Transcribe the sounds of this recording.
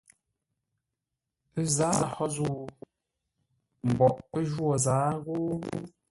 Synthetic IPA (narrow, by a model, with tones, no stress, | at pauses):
pə˦zaː˨˦a˨hɔ˦zu˦˨ | m̩˨bɔ˨ʔpə˦ʒwɔ˨zaː˨˦ɣo˦